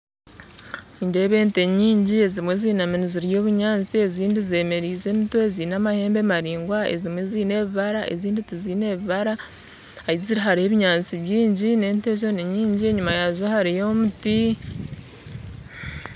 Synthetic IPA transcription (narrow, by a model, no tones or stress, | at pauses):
inde̞ːβe̞ːnte̞ɲiːɲɟie̞zimwe̞ziːnaminiziɾijo̞ːβuɲaːnt͡sie̞ziːndize̞ːme̞ɾiːze̞ːmitweeziːnamahe̞ːmbe̞maɾiːŋɡwaḛzimwe̞ziːne̞βiβaɾaʔe̞̰ziːnditiziːne̞βiβaɾaː | iziɾiɦaɾihe̞βiɲaːnt͡siβjiːɲɟine̞ːnte̞ʒ̬o̞neɲiːɲɟie̞ɲumajazohaɾijomuti